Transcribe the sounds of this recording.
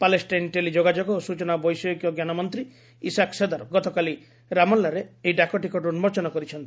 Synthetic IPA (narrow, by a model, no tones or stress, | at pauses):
palesʈajnʈelid͡ʒoɡad͡ʒɔɡɔosut͡ʃɔnabɔjsɔjɔkjɔɡjanɔmɔnt̪ɾi | isaksed̪aɾɔɡɔt̪ɔkali | ɾamɔlːaɾeeiɖakɔʈikɔʈunmɔɾt͡ʃɔnɔkɔɾit͡ʃʰɔnt̪i̥